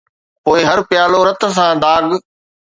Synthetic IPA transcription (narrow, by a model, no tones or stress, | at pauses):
poːɪɦɐɾpɪjaːloɾɐt̪̆s̬ãd̪aːɡ